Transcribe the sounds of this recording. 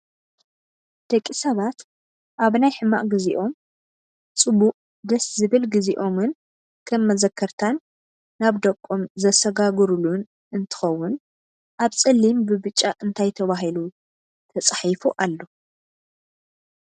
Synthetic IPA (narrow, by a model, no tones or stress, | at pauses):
d̪̥ɐkʼːisɐβat̪ | ʔaβnajħɨmːa̰ʔɡɨziʔo̞m | t͡sʼɨbuʔʼ | d̪ɐszɨβɨlɡɨziʔo̞mɨn | kʰɐmːɐzɐkʰːɐɾt̪ʰanː | aβd̪ɐkʼːomzɐsɐɡaɡɨɾulun | ʔɨnt̪ʰɨ̥xɐwːʊn | ʔaβt͡sʼɨlːimbɨβɨt͡ʃʼːaʔɨnt̪ʰajt̪ʰɐβaɦilu | t̪ʰɐt͡sʼħifuʔalːo̞